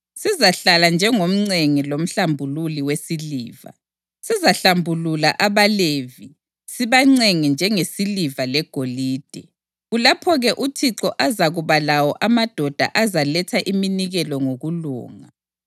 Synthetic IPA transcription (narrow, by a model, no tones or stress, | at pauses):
sizaɬaland͡ʒʱɛŋom̩ŋ͡ǀeŋilom̩ɬambʱululiwesiliːva̰ | sizaɬambʱululaʔaβaleːvi | siβaŋ͡ǀeŋind͡ʒʱɛŋesilivalɛɡ̥ʱoliːd̥ʱɛ | ɣulapʰɔɣɛʔutʰiǁɔʔazaɣuβalawɔʔamad̥ʱɔd̥ʱa̰ʔazalɛtʰaʔiminiɣɛlɔŋoɣulṵːŋa